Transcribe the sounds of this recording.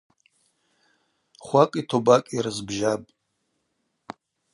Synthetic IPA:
χʷakʼitʰobakʼirɨzbʒapʼ

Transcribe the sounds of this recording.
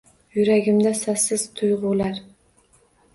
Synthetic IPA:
jʊɾaɡʲɪmd̪asasɪzt̪ʰʊjʁʊlaɾ

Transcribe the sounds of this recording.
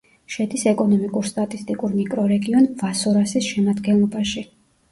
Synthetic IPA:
ʃɛd̪isɛkʼɔnɔmikʼuɾst̪ʼat̪ʼist̪ʼikʼuɾmikʼɾɔɾɛɡiɔnvasɔɾasisʃɛmad̪ɡɛnlˠɔbaʃi

